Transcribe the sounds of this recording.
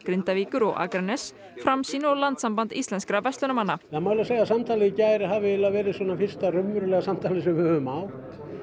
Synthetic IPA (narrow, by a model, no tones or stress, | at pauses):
kɾɪnt̪aviːkʏɾɔɣa̰kɾanːɛs | fɾamsiːnʏɔɣlant̪sampant̪ist̪lɛnskɾavɛst̪ʏnamanːaamaːwlaseːjasamt̪ʰaːlɪcajɾɦavɪɛlːavɛːɾɪswɔːnːafɪr̥st̪arʏmːʏɾʏlɛɣasamt̪ʰaːlɪsɛvʏhʏʏmawt̪